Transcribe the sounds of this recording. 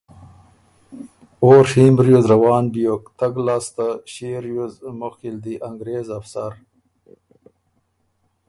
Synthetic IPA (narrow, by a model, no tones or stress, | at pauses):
oːɾhimbɾjozɾawɑːnbijokt̪aɡlaːst̪aɕeɾjozmoxild̪iʔaŋɡɾeːzafsaɾ